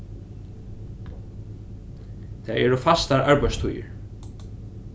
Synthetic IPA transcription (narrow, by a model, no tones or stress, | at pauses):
t̪ʰaɛɾʏfast̪aɾaɹpajst̪ʰujɪ̰ɹ